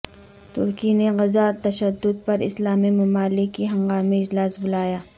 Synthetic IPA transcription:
t̪ʊ̰ɾkineɣɐzat̪ɐʃəd̪ːʊd̪̚pɐɾɪ̰slaːmimɐmaːlɪkːiɦɐ̃ŋɡaːmeɪd͡ʒlaːsbʊlaːjaː

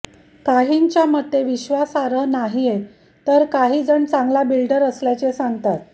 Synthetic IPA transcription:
kaɦiɲt͡ɕjamət̪ːeʋiɕʋasaɾənaɦije | t̪əɾkaɦiːd͡zəɳt͡sãŋɡlabilɖəɾəsljat͡ɕesaŋɡt̪at̪̚

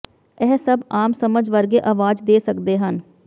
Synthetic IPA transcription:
ɛːsəbaːmsəməd͡ʒʋəɾɡeʔaːʋaːd͡ʒd̪eːsəkd̪eɦən

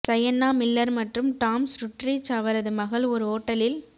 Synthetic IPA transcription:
sɐjɐnːaːmɪlːɐɾmɐʈrɯmʈaːmsɾʊʈrit͡ʃɐʋɐɾɐðɯmɐɣɐɭɔɾɯoːʈːɐlɪl

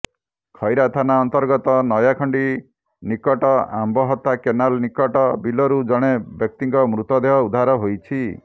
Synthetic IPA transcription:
kʰɔjɾat̪ʰanaɔnt̪ɔɾɡɔt̪ɔnɔjakʰɔɳɖi | nikɔʈɔa̰mbɔɦɔt̪ːakenalnikɔʈɔbilɔɾud͡ʒɔɽ̃ebjɔk̚t̪iŋkɔmɾut̪ɔd̪eɦɔud̪ʱaɾɔɦojt͡ʃʰi

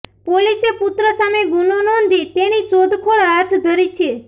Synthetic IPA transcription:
polisepʊt̪ɾəsameɡunonond̪it̪enisod̪ʱkʰoɭɦat̪ʰd̪ʱəɾit͡ʃʰe

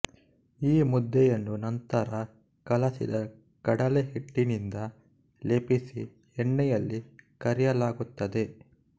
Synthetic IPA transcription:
iːmud̪ːɛjɐnːunɐnt̪ɐɾɐ | kɐlɐsḭd̪ɐ | kɐɽɐleɦiʈːinind̪ɐ | leːpisi | ɛɳːɛjɐlːikɐɾɛjɐlaːɡut̪ːɐd̪e̞

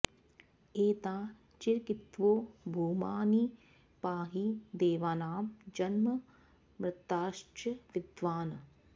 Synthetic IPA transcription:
eːt̪aː | t͡ʃiɾkit̪ʋoːbʱuːmaːni | paːɦid̪eːʋaːnaːmd͡ʒɐnmɐ | mɾɪt̪ːaːʃt͡ʃɐʋɪd̪ʋaːnɐ

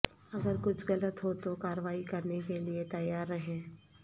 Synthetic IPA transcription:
ɐɡəɾkʊt͡ʃʰɣɐlət̪ɦot̪okaːɾəʋaːikɐɾnekeliet̪ɐjaːɾːɐɦẽː

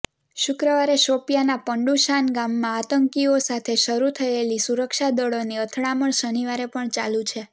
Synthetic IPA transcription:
ʃʊkɾəʋaɾeʃopjanapəɳɖuʃanɡamːãat̪əŋkiosat̪ʰeʃəɾut̪ʰəelisuɾəkʃad̪əɭoniət̪ʰɭaməɳʃəniʋaɾepəɳt͡ʃalũt͡ʃʰe

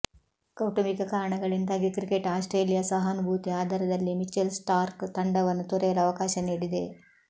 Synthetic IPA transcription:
kɐwʈɐmikɐkaːɾɐɳɐɡɐɭind̪aːɡikɾikeʈaːsʈɾeːlijasɐɦɐnubʱuːt̪iaːd̪ʱɐɾɐd̪ɐlːimit͡ʃːelsʈaːɾkt̪ɐɳɖɐʋɐnːut̪ɔɾɐjɐlɐɐʋɐkaːʃɐniːɽid̪e̞̰

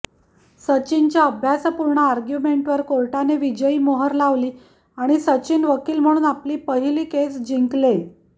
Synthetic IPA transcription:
sət͡ɕint͡ɕjaəbʱjasəpuɾɳəaɾɡjumeɳʈʋəɾkoɭʈaneʋid͡ʑəiːmoɦəɾlaʋliː | aɽ̃isət͡ɕiːnʋəkiːlm̤əɽ̃uːnapliːpəɦiliːkesd͡ʑiŋkle

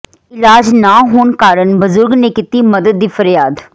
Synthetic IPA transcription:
ɪlaːd͡ʒnaːɦoːɳkaːɾəɳbəzʊɾɡneːkit̪iːməd̪əd̪̚ːiːfəɾjaːd̪

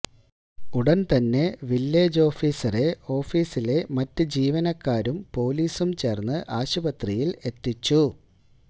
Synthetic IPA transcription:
uɽɐnt̪ɐnːe̞ʋilːe̞ːd͡ʑo̞ːfiːsɐre̞o̞ːfiːsile̞mɐtːɨd͡ʑiːʋɐnɐkːaːɾumpo̞ːliːsumt͡ɕe̞ːrnːɨʔaːɕubɐt̪rijile̞t̪ːit͡ɕːu

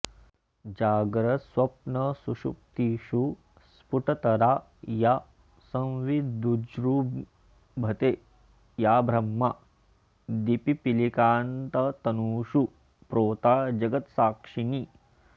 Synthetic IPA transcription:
d͡ʒaːɡɾɐswɐpnɐsuʃuk̚t̪iʃu | spuʈɐt̪ɐɾaː | ja | sɐ̃nʋid̪ud͡ʒɾu | bʱɐt̪eː | jaːbʱɾɐmːa | d̪ipipilikaːnt̪ɐt̪ɐnuːʃu | pɾoːt̪aːd͡ʒɐɡɐt̪saːkʂini

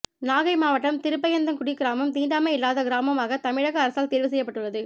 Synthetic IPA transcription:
naːɣɐɪmaːʋɐʈːɐmt̪ɪɾɯp̬ːɐjɐnd̪ɐmkʊɽɪkːɪɾaːmɯmt̪iːɳɖaːmɐɪlːaːðɐɡɪɾaːmɐmaːɣɐt̪ɐmɪɻɐɣɐːɾɐsaːlt̪eːɾʋɯs̬ɛjːɐpːɐʈːɯɭːɐðɯ

